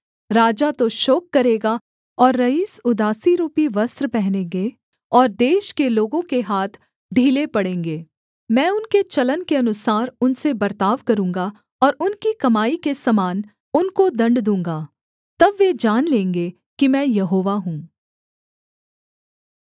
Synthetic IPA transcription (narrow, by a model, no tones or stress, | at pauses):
ɾaːd͡ʒat̪oʃoːkːɐɾeːɡa | ɔːɾːɐiːsʊd̪aːsiɾuːpiʋɐst̪ɾpɛɦnẽːɡe | ɔːɾd̪eːʃkeloːɡõkeɦaːt̪ʰ | ɖʱiːlepɐɽẽːŋɡeː | mɛ̃ːʊnket͡ʃɐlənkeɐnʊsaːɾʊnsebɐɾt̪aːʋkɐɾũːŋɡa | ɔːɾʊnkikɐmaːikesɐmaːn | ʊnkod̪ɐ̃ɳɖd̪ũːŋɡaː | t̪ɐbʋeːd͡ʒaːnlẽːŋɡe | kimɛ̃ːjɐɦoːʋaɦũː